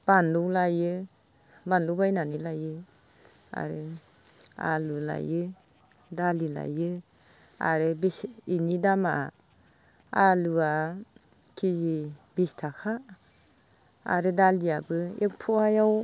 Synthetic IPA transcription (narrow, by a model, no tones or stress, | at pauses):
b̥anlɔwlajɯ | banlɔwbajnanilajɯ | a̰ɾɯ | a̰lula̰jɯ | dalila̰jɯ | a̰ɾɯbisinidama̰ | alua | kʰizibistʰakʰa | a̰ɾɯdalijabɯek̚pʰɔajaw